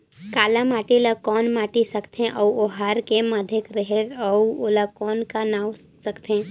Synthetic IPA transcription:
kaːlamaːʈiləkɔːnmaːʈisəkt̪ʰẽʔɔuoɦaːɾkemad̪ʱekɾəɦeɾɔuoləkɔːnkanaːw | səkt̪ʰẽː

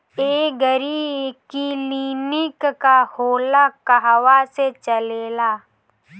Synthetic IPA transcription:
eːɡəɾiːbkiliːnɪkkahoːlakaɦwaset͡ʃəleːlaː

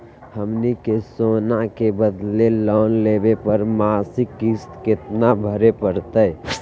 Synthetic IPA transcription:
həmnikesoːnakebəd̪lelɔːnleːbepəɾmaːsɪkːist̪kɪt̪nabʱəɾepəɾt̪ə

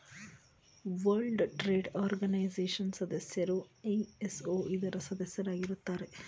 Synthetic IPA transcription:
ʋɐɾɭɖʈɾeːɖaːɾɡɐnɐjzeːʂɐnsɐd̪ɐsjɐɾueesoːʔid̪ɐɾɐsɐd̪ɐsjɐɾaːɡiɾut̪ːaːɾe

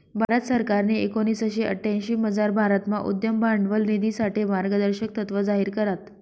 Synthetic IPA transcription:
bʱaɾət̪səɾkaɾneekoñiːsaɕeʔə̰ʈʰːãj̃ɕiːməd͡zaɾbʱaɾət̪ma̰ʔṵd̪jəmbaɳɖʋəlnid̪isaʈemaɾɡəd̪əɾɕək̚t̪ət̪ʋəd͡zaɦiːɾkəɾat̪

